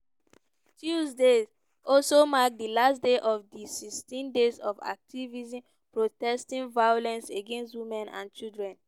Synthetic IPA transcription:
tuzdez | ɔlsomak̚dilasdeʔɔfdisistĩndezɔfa̰k̚tʰivizĩm | pɹotɛstĩnvajolɛ̃nseɡẽnstwimɛ̃nã̰nt͡ʃildɹɛ̃n

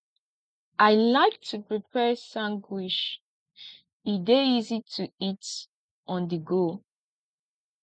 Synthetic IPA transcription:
ʔaɪlaɪk̚tʰupɹipʰɛsãŋɡwiʃ | ideizitʰuit | ʔɔ̃ndəɡo

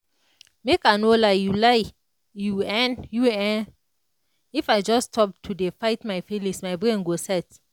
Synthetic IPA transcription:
mekanolajulaj | juɛ̃njuɛ̃n | ifajd͡ʒɔstʰɔp̚tʰudefaɪtmaɪfilĩsmajbɹẽnɡosɛt

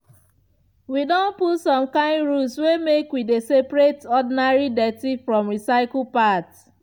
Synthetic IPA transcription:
widõnputsɔ̃mkãɪ̃ndɹuswemekwidesepɹetɔdinaɹidɛtifɹɔ̃mɹisaɪkl̩pat

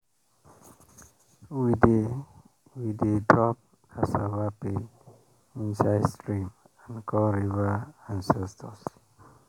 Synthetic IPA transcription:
wide | widedɹɔp̚ | asavape | ĩnsaɪstɹĩm | ãnkʰɔɾivaãnsɛstʰɔs

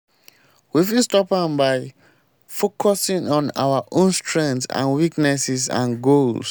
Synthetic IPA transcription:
wifilstɔpãnbaɪ | fokʰɔsĩŋɔ̃na̰waʔõnstʰɹɛ̃ntã̰nwiknɛsɛzã̰nɡols

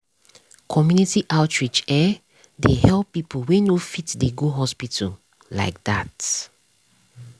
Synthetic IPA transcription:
kʰɔmjunitiʔaʊtɹit͡ʃɛ | dehɛlpːipʰowenofitdeɡoɦɔspitʰə̰ | la̰ɪk̚dat

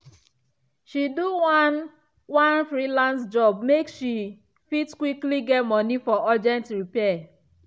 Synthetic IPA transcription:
ʃiduwn | wãnfɾilãnsd͡ʒɔb̚mekʃi | fitskwikliɡɛtmɔnifɔad͡ʒɛ̃ntɹipɛ

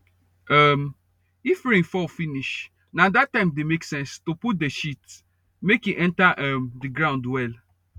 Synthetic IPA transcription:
am | ifɹĩfɔfiniʃ | nãdatːãɪ̃mdemeksɛ̃nstoput̚deʃit | mekjiʔɛ̃ntaʔɛmdiɡɹãʊ̃ndwɛl

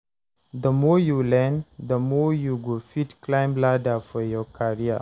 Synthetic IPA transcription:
d̪əmɔjulɛnd̪əmɔjuɡofitklãɪ̃mbladafɔjɔkʰaɹia̰

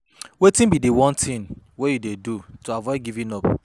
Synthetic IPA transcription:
wetĩnbidewɔ̃ntʰĩnwejudedutoavɔɪdɡivĩnɔp

